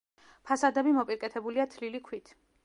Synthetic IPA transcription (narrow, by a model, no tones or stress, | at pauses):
pʰasad̪ɛbimɔpʼiɾkʼɛt̪ʰɛbuliat̪ʰlilikʰwit̪ʰ